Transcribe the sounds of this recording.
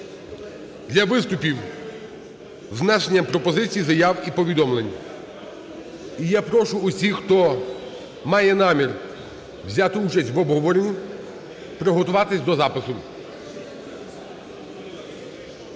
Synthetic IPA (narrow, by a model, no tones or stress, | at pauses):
d̪lʲɐʋɪst̪ʊpʲiw | znaʃenʲːɐmpɾɔpɔzɪt͡sʲijizɐjɑwipɔʋʲid̪ɔmlenʲːɐ | ijɛpɾɔʃʊːsʲixt̪ɔ | mɑjɛn̪ɑmʲir | ʋwzʲat̪ɪut͡ʃɐsʲtʲʋɔbɦɔʋɔɾenʲi | pɾɔɦɔt̪ʊʋɑt̪ɪsʲd̪ɔzɑpɪsʊ